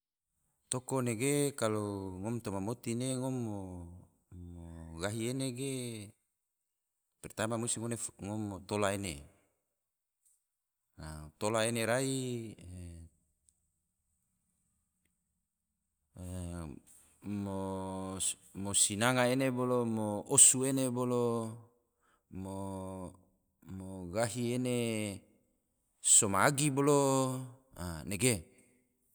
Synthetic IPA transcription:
t̪okoneɡekaloŋomt̪omamot̪ineŋomːo | moɡaɦieneɡe | pɛrt̪amamusiŋoneŋomːot̪olaene | at̪olaeneɾai | mo | mosinaŋaenebolomoʔosuenebolo | mo | moɡaɦiene | somaːɡibolo | aneɡe

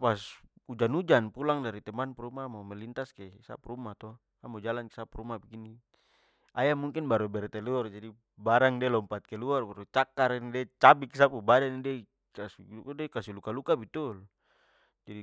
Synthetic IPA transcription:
pasud͡ʒanud͡ʒanpulaŋdaɾit̪ɛmanpuɾumamamɛlint̪askɛsa̰puɾumat̪ɔ | amud͡ʒalanke̥sapuɾumabiɡini | ajamuŋkinbaɾubɛɾt̪ɛluɔrd͡ʒadi | baɾaŋdɛlɔmpat̪̚kɛluarbaɾut͡ʃakaɾnidɛt͡ʃabiksapubadanidɛ | kasikdɛkasilukalukabit̪ul | d͡ʒadi

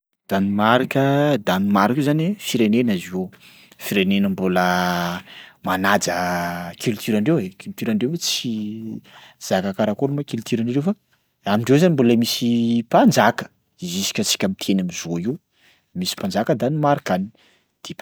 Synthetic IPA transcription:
d̪̥animaɾikəd̪animaɾikzanefiɾenenazio | fiɾenenəmbulə | manad͡zəkʰylt̪ʰyɾaɳɖ͡ʐewekylt̪yɾaɳɖ͡ʐewt͡si | z̥akakaɾakoɾumakilt̪iɾaɳerewfa | amiɳɖ͡ʐewzanimbulamisipand͡zakə̥ | izisi̥kʲət͡si̥kʲamit̪ʰenamizoi | misi̥pand͡ʒakəd̪animaɾikani | d̪̥e

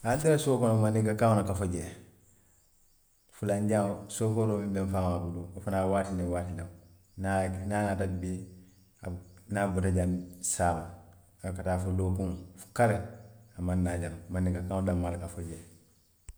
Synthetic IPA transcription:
adiɾasoːkonomanːikakawnakafoɟeː | fulaɲɟasofoɾomibenfaːmabuduafunaːwaːtinewatilaŋ | nananatabi | anabutaɟamsaːba | akatafulokuŋfu̥kaɾeamanːaɟammanːikakaŋdamːalkafoɟeː

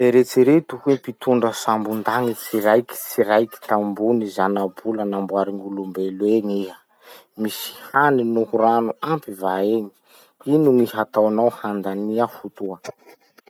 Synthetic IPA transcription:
eɾet͡siɾet̪ukwepit̪uɳɖ͡ʐəsambund̪aŋit͡siɾajki̥t͡siɾajki̥t̪ambunizanabulanambwaɾiŋulumbelweɲiɦə | misi̥haninuhuɾanuampivaeɲi̥ | inuŋiɦat̪awanawhand̪aniafut̪uə

